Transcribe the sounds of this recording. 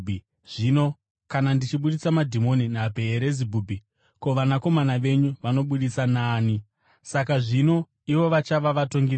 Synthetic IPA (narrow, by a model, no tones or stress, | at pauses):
ʐ̥ino̞ | kanandit͡ʃiɓuɗit͡samadʱimo̞ninabʱe̞ːɾezibʱubʱi | koʋanako̞manaʋe̞ɲuʋano̞ɓuɗisanaːni | sakaʐino̞ | iʋo̞ʋat͡ʃaʋaʋato̞ŋɡi